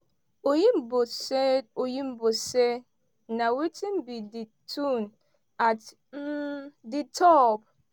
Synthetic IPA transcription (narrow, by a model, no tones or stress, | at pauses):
ojim̩bosɛojim̩bosɛ | nãwitʰĩm̩biditʰun | at | m̩ditʰɔp̚